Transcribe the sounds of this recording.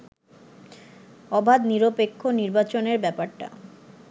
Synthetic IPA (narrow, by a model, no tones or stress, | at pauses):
ɔbʱad̪niɾopekʰːoniɾbat͡ɕoneɾbɛpaɾʈa̰